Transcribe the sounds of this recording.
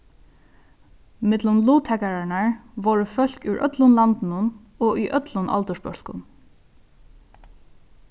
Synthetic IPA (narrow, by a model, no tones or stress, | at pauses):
mɪt̪lʊmluːt̪hɛkaɹaɳaɹʋɔɹəfœl̥kuɥʔœ̰t̪lʊnlant̪ɪnʊn | ɔʔʏʔœt̪lʊnʔa̰lt̪ɔʂpœl̥kʊ̰n